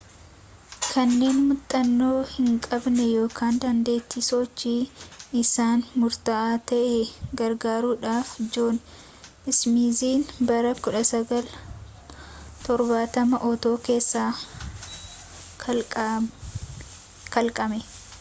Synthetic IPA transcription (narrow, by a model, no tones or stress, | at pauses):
kʰɐnːe̞ːnmʊt̪ʼːɐnːo̞ːhɪŋkʼɐbnɛjo̞ːkʰaːnd̪ɐnd̪e̞ːt̪ːisɔt͡ʃːiːɪsaːnmʊɾt̪ɐʔaːt̪ɐʔɛɡɐɾɡaːɾuːᶑaːfd͡ʒoːn | ɪsmiːziːnbɐɾɐkʊᶑɐsɐɡɐl | t̪ɔɾbaːt̪ɐmɐʔɔt̪o̞ːke̞ːsːaː | kɐlkʼɐmɛ